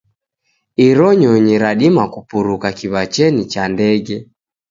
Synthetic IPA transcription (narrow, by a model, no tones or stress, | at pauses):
iɾɔɲɔɲiɾaɗimakupuɾukakiβat͡ʃɛnit͡ʃandɛɡɛ